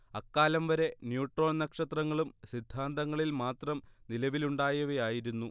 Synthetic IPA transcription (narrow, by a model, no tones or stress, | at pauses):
ɐkːaːlɐmʋɐɾe̞njuːʈro̞ːnnɐkʂɐt̪rɐŋːɐɭumɕid̪ʱːaːnd̪ɐŋːɐɭilmaːt̪rɐmnilɐʋiluɳɖaːjɐʋejaːjiɾunːu